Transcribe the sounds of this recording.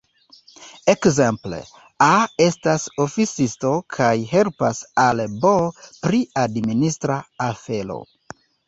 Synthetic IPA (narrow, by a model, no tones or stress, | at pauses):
ekze̞mple̞̰ | ae̞staso̞fisisto̞kʰajɦe̞lpasalbopɾiadministɾaafe̞lo̰